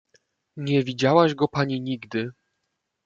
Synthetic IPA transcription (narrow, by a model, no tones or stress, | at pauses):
ɲɛvʲid͡ʑawaʑɡɔpaɲiɲiɡd̪ɘ